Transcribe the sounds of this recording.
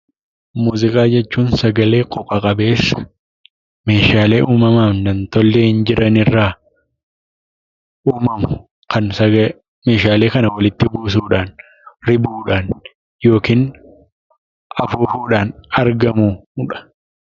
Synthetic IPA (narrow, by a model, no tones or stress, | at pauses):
muːzɪkʼaːd͡ʒɛt͡ʃːuːnsɐɡɐle̞ːkʼɔpʼːɐkʼɐbe̞ːsːɐ̥ | me̞ːʃaːle̞ːʔuːmɐmaːmd̪ɐnt̪ɔlːehɪnd͡ʒɪɾɐnɪrːaː | uːmɐmʊ̥ | kʰɐnsɐ | me̞ːʃaːle̞ːkɐnɐwɐlɪt̪ːɪbuːs̬uːᶑaːn | ɾɪbuːᶑaːn | jo̞ːkiːn | ʔɐfuːfuːᶑaːnɐɾɡɐmuːᶑɐ̥